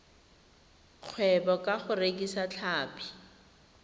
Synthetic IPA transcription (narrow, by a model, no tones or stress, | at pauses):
q͡χʰwɛbɔkʼaχʊrekʼisat͡ɬʰaːpi̥